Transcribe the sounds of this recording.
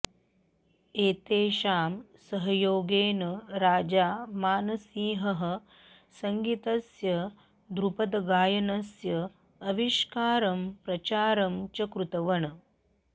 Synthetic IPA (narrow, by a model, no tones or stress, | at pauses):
eːt̪eːʃaːmsɐɦɐjoːɡeːnɐɾaːd͡ʒaːmaːnɐsiːɦɐɦɐ̆ | sɐŋɡit̪ɐsjɐ | d̪ɾupɐd̪ɐɡaːjɐnɐsjɐː | ʋiʃkaːɾɐmpɾɐt͡ʃaːɾɐmt͡ʃɐkɾut̪ɐʋɐɳɐ